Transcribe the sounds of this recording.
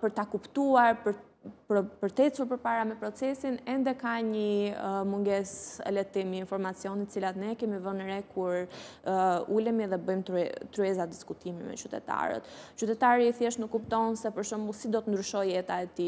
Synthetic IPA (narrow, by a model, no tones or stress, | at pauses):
pəɾt̪akupt̪uaɾpəɾ | pɾpəɾt̪ɛt͡suɾpəɾpaɾamɛpɾɔt͡sɛsinɛnd̪ɛkaɲəmuŋɡɛsɛ̰lɛt̪imiinfɔɾmat͡siɔnit̪ət͡silat̪nɛkɛmivənɾɛkʰuɾ | ulɛmiðɛbəjmt̪t̪ɾyɛzad̪iskut̪imḭmɛ̰t͡ʃyt̪ɛ̰t̪a̰ɾə̰t̪t͡ʃyt̪ɛt̪aɾiθjɛʃnukːupt̪ɔnsɛpəɾʃɔmbusid̪ɔt̪ənd̪ɾyʃɔjɛt̪aɛt̪i